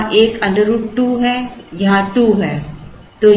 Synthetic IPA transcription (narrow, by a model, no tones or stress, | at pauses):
ʔeːkɐ̃ɳɖəɾuːʈʈuːɦɛjɐɦãʈuɦɛ̃ː | t̪oː